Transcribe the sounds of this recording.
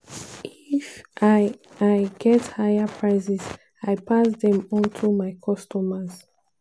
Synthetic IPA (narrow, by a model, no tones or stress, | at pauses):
ʔifʔ | ajɡɛthajapʰɹaɪsiz | aɪpʰasdɛ̃mɔ̃ntʰumaɪkʰɔstɔmaz̥